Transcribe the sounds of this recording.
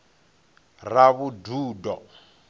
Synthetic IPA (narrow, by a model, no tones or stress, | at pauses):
raβuduːdɔ